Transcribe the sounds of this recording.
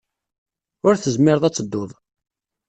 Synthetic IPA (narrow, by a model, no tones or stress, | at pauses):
ʊɾθəzmɪɾðˤæt͡sːəd̪ːoðˤ